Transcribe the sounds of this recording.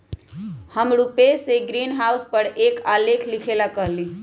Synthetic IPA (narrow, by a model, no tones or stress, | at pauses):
həmɾupeseɡɾinɦauspəɾekalekʰlikʰelakəɦli